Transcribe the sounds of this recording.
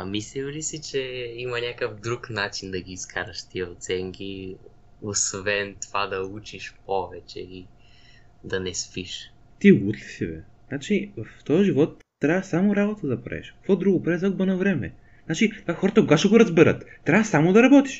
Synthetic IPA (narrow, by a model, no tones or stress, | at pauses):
ɐmislilisit͡ʃɛimɐnʲakəfd̪ɾuknat͡ʃind̪ɐɡʲiːskʰaɾɐʃt̪iəot̪sɛŋki | osvɛnt̪ovad̪ɐut͡ʃiʃpɔvɛt͡ʃɛi | d̪ɐnɛspiʃ | t̪iut̪li̥sivɛ̰znat͡ʃivɐft̪ɔjʒivɔt̪ːɾʲavəsamoɾabot̪əd̪ɐpɾa̰ɛ̰ʃkkvɔd̪ɾuɡopɾazɐɡbənɐvɾɛmɛ̰ | znat͡ʃit̪vaxɔɾət̪əkoɡaʃɛɡoɾɐzbɛɾət̪ːɾʲavəsamod̪ɐɾɐbɔt̪i̥ʃ